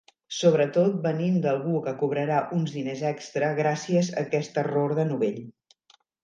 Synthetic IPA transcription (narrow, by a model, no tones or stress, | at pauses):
soβ̞ɾət̪ot̪̚bənind̪əlˠɣukəkuβɾəɾaʔunzðinezɛkst̪ɾəɣ̞ɾasiəzə̰kɛst̪əroɾðənuβeʎ